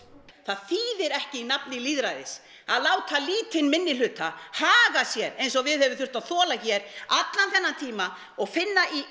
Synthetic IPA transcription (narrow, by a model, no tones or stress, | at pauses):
θaðθiːðɪɾɛhcɪinapnɪliːðɾajðɪs | a̰ðlaːwt̪ʰaliːt̪ɪnmɪnːɪlʏːt̪ahaːɣasjɛɾejns̬ɔɣvɪðhɛvɪθʏr̥t̪aðθɔːlaçɛɾat̪lanθɛnːant̪ʰiːma | ɔɣfɪnːai